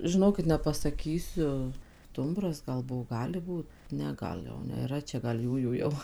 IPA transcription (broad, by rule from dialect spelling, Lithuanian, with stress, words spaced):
ʒʲɪˈnoːkʲɪt nʲɛpɐsɐˈkʲiːsʲʊ ˈstʊmbrɐs ɡɐlˠ ˈbʊʋoː ˈɡɑːlʲɪ ˈbuːt ˈnʲɛ ˈɡɐlˠ jɛʊ nʲeːˈrɐ ˈt͡ʃʲɛ ɡɐlˠ ˈjuːjuː jɛʊ